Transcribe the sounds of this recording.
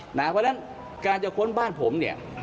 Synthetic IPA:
naː˨˦pʰɔ˦˥na˦˥n | kaː˧nt͡ɕa˨˩kʰo˦˥nbaː˥˩npʰo̰˩˦mni˥˩ɐ

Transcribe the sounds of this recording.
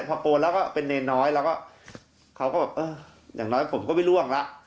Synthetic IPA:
pʰɔː˧koː˧lɛː˦˥wkɔː˥˩pe˧nːe˧nɔː˦˥jlɛː˦˥wkɔː˥˩ | kʰa˦˥wkɔː˥˩bɛː˨˩p̚ʔɤː˧˩ | ja̰ː˨˩ŋnɔː˦˥jkːpʰo˩˦mkɔ˥˩ma˥˩jlu˥˩əŋla˦˥ʔ

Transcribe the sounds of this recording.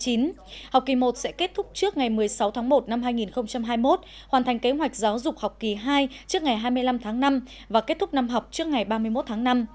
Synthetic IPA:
t͡ɕi˨˦n | hwk͡p̚ki˨˩mo˨˩t̚sɛ̰˧˥ke˦˥t̚t̪ʰʊ˦˥k͡p̚t͡ɕɨ˦˥ək̚ŋa˨˩jmɨ˨˩əjsa˨˦wt̪ʰaː˨˦ŋmo˨˩t̚na˧mɦaː˧jŋi˨˩nxə˧wŋ͡mt͡ɕa˧mɦaː˧jmo˦˥t̚ | hwaː˨˩nt̪ʰŋ̟ke˨˦ɦwa˨˩jk̟̚zaː˨˦wzʊ˨˩k͡p̚hɔ˨˩k͡p̚ki˨˩ɦaː˧jt͡ɕɨ˦˥ək̚ŋa˨˩jɦaː˧jmɨ˧əjla˧mt̪ʰaː˨˦ŋna˧m | vaː˨˩ke˦˥t̚t̪ʰʊ˦˥k͡p̚na˧mɦɔ˨˩wk͡p̚t͡ɕɨ˦˥ək̚ŋa˨˩jɓaː˧mɨ˧əjmo˦˥t̚t̪ʰaː˨˦ŋna˧m

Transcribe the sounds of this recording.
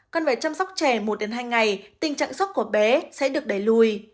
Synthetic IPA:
kɔ˧˩nveː˨˩t͡ɕa˧msa˦˥wk͡p̚t͡ɕɛ˧˩mo˨˩t̚ɗe˨˦nɦaː˧jŋa˨˩jt̪ï˨˩ŋ̟t͡ɕa̰ː˧˨ŋswə˦˥t̚ku˧˩əɓɛ˨˦sɛ̰˧˥ɗɨ˨˩ək̚ɗə˧˨˩jlu˧˩j

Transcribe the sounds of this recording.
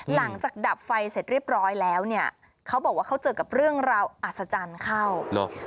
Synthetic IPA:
la˩˦ŋt͡ɕaː˨˩k̚da˨˩p̚fa˧jse˨˩t̪̚ɾi˥˩əp̚ɾɔː˦˥jlɛː˦˥wni˥˩ɐ | kʰa˦˥wbɔː˨˩k̚waː˥˩kʰwt͡ɕɤː˧ka˨˩p̚ɾɯ˥˩əŋɾaː˧wʔa˨˩t̪̚sa˧t͡ɕa˧nkʰa˥˩wlo̰˧

